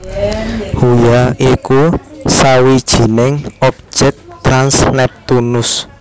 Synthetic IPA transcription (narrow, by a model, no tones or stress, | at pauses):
hujaikusawid̥ʒ̥i̤nɪŋɔp̚d͡ʒ̥ɛk̚t̪ɾansnɛp̚t̪unʊs